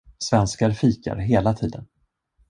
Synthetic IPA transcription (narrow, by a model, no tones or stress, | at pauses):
svɛnskaɾfiːka̰ɾɦeːlat̪ʰiːd̪ən